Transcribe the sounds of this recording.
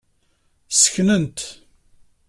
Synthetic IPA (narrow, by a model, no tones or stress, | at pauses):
sə̥çnənt̪